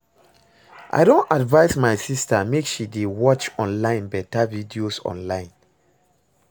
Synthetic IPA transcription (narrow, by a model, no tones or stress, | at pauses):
ʔa̰ɪdõntadvaɪsmaɪsistamekʃidewɔt͡ʃɔ̃nlãɪ̃nbɛtavidiosɔ̰̃nlãɪ̃n